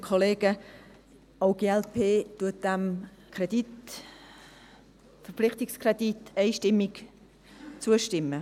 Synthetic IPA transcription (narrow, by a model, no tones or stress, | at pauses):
kʰɔleːɡ̥ə | oʊɡ̥eːɛlpʰeːtuət̚d̥æmkʰʁɛd̥it | fəɾpflɪχtɪkskrɛditɛɪʃtɪmːɪɡ | t͡suəʃtɪmːə